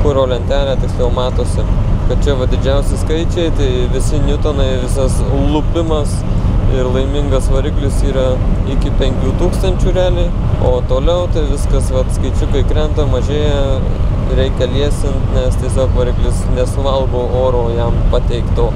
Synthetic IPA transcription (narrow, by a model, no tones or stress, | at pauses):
kʊɾoːlʲɛnʲt̪ʲæːlʲæt̪ʲɪksʲlʲoʊmɑːt̪oːsʲɪkɐt̪̚t͡ʃʲɛʋɐd̪ʲɪd͡ʒʲɛʊsʲɪskɐɪt͡ʃʲɛɪt̪ɐɪʋʲɪsʲɪnʲʊt̪ɐnɐɪʋʲɪsɐslˠʊpʲɪmɐsɪrlˠɐɪmʲɪŋɡɐsʋɐɾʲɪklʲɪsiːɾɐɪkʲɪpʲɛŋʲkʲuːt̪uːkst̪ɐnʲt͡ʃʲuːɾʲæːlʲɛɪ | oːt̪oːlʲɛʊt̪ɐɪʋʲɪskɐsʋɐt̪skɐɪt͡ʃʲʊkɐɪkɾʲɛnt̪ɐmɐʒʲeːjɛ | ɾʲɛɪkʲɛlʲiɛsʲɪnt̪nʲɛst̪ʲiɛsʲoːkʋɐɾʲɪklʲɪsnʲɛsʊʋɐlˠɡoːʔoːɾoːjɛmpɑt̪ʲɛɪkt̪oː